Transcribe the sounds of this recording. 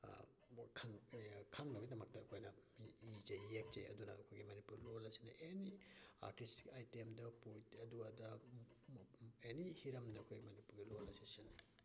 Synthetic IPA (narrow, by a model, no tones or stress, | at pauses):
kʰaŋkʰaŋnɐbidɐmɐk̚tɐːkʰojnɐmiid͡ʒeek̚t͡ʃḛjɐ̰dunɐ̰ɐkʰojɡimɐnipuɾlolasinaʔenia̰ɾtisti̥kajtemdɐpujtɐduadɐ | enihiɾɐmdɐkʰojmɐnipuɾɡilolɐsisinɐ